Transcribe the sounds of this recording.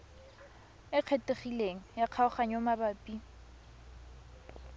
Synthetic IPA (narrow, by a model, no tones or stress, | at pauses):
ɪq͡χʰeteχileŋ̩jaq͡χʰaʊχaɲomabapʼi